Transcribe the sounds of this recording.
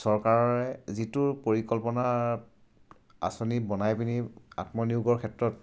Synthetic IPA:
sɔɹkaɹɔɹɛzitʊɹpoɹikɔlpɔna | a̰sɔnibɔnajpinia̰tmɔniʊɡɔɹkʰɛtɹɔt̚

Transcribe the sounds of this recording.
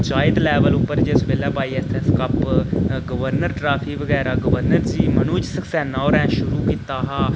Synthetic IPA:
t͡ʃaːɪd̪lɛːʋəlʊpːəɾd͡ʒeːsbeːlːɛːpaːiɛsɛskəpɡəʋəɾnəɾʈɾaːpʰikʋəɡɛːɾaːɡəʋəɾnəɾd͡ʒiːmənuːd͡ʒsəksɛːnaːoɾɛ̃ːʃʊɾuːkiːt̪aːɦaː

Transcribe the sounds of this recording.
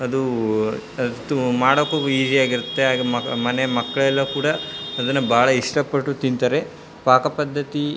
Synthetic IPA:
ɐd̪u | ɐt̪ːumaːɽoːkoiːd͡ʒiaːɡiɾut̪ːe̞aːɡɐmɐmɐnemɐkːɐɭɛlːɐkuːɽɐːd̪ɐnːɐbʱaːɭɐiʂʈɐpːɐʈːut̪int̪aːɾe | paːkɐpɐd̪ʱːɐt̪i

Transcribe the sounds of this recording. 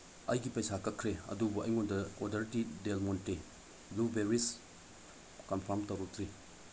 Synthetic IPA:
ɐjɡipɐjsakɐkʰːɾeɐ̰dubuɐ̰jŋondɐodɐɾtidelmonte | lubeɾis | kɐnpʰɐɾmtɐwɾɔkʰɾi

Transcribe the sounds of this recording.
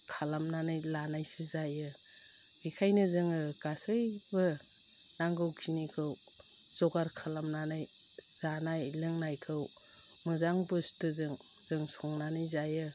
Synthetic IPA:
kʰalamnanɯjlanajsɯzajɯ | ikʰajnɯzɯŋɯɡ̥asɯjbɯ | naŋɡɯwkʰinikʰɯw | z̥ɔɡaɾkʰalamnanɯj | z̥anajlɯŋnajkʰɯw | mɯzaŋbɯstɯzɯŋ | zɯŋsɔŋnanɯjzajɯ

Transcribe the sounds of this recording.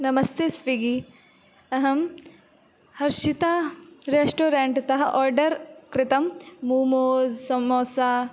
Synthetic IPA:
nɐmɐst̪ʰesʋiɡi | ɐɦɐm | hɐɾʃit̪aːɾeːʂʈoːɾeɳʈt̪ɐɦɐʔɔːɾɖɐɾkɾɪt̪ɐmːuːmoːzsɐmoːsaː

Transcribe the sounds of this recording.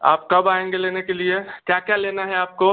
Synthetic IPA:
a̰ːp̚kɐbaːẽŋɡeleːnekeliekjakjaleːnaɦɛaːp̚ko

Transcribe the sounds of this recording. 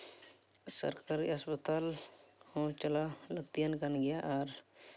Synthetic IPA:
sə̰ɾkaːɾiəspət̪aːl | hõt͡ʃəlaləɡt̪ijənkənɡɪjaʔɔːɾ

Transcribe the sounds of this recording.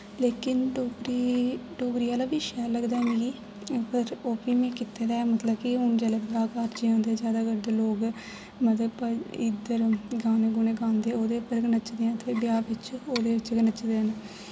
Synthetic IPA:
leːkɪnɖoːɡɾiːɖoːɡɾiːaːlaːbiːʃɛːləɡd̪aːniɡiː | pəɾoːpiːmẽːkɪt̪ːeːɾɛːmət̪ləbkiɦʊɳd͡ʒaːlaːbaːkaːɾd͡ʒiãːnd̪eɛːd͡ʒjaːd̪aːɡəɾd̪eːloːɡ | mət̪əbəɪd̪əɾɡaːneːɡʊneːɡãːnd̪eːoːd̪eːpːəɾɡənət͡ʃd̪eːãːt̪ʰeːbɪjaːbɪt͡ʃoːd̪eːʋɪt͡ʃɡənət͡ʃd̪eːənː

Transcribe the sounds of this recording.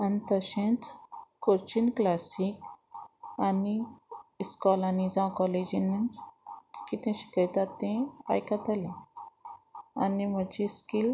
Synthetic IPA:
anit̪əɕẽt͡skoɾt͡ɕinklasik | ani | skɔlanid͡zãwkɔled͡ʑinin | kit̪ẽɕi̥kət̪at̪ːẽa̰jkat̪alẽ | a̰nim̤əd͡ʑiskil

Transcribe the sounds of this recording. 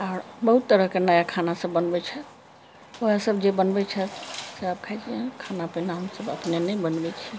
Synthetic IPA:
aːɾbəɦut̪ːəɾəɦkenəjakʰanasəbːənbɛt͡ʃʰɛ | oasəbd͡ʒebənbɛt͡ʃʰɛseap̚kʰajd͡ʒiẽkʰanapɛnaɦəmsəbə̰pnenɛjbənbɛt͡ʃʰi

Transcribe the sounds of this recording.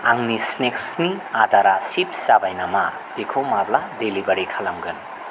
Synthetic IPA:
aŋnisneksniadaɾasip̚sabajnama | b̥ikʰomabladelibɐɾikʰalamɡɯn

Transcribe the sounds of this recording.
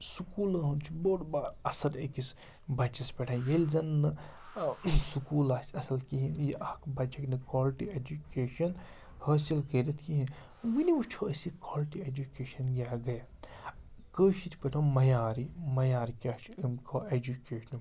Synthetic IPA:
sukuːlɐɦunt͡ʃʰiboːʈbaːɾɐsɐlekis | bɐt͡ʃispeʈʰãnjelzɐnːɨ | sukuːlaːsɐsɐlkiɦijiʔɐkbɐt͡ʃʰiknɐkaːlʈieːd͡ʒukeːʃɐn | hɐːsilkəɾɐt̪ʰkiɦi | ʋiniut͡ʃʰoɐsikoːlʈieːd͡ʒukeːʃɐnɡʲjaːɡɐja | kəːʃit̪ʰpɐʈʰõmɐjaːɾimɐjaːɾikʲaːt͡ʃʰimkoed͡ʒukeːʃɐn

